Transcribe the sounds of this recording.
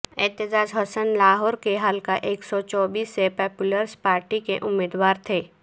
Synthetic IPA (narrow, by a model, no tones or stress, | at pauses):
ɛːt̪ɪd͡ʒaːd͡ʒɦɔsənlaːɦɔːɾkeɦalkaʔeːksɔt͡ʃɔːbiːsːepɔːpjʊləɾspaːɾʈikeʔʊmːeːd̪waːɾt̪ʰeː